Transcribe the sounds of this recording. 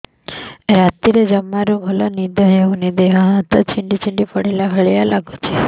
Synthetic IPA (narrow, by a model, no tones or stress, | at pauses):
ɾat̪iɾed͡ʒəmːaɾũɡʱəlonid̪ʱəɦeũnid̪eɦãɦat̪ət͡ʃʰiɳɖit͡ʃiɳɖipəɽelaɦəɭjalaɡut͡ʃʰe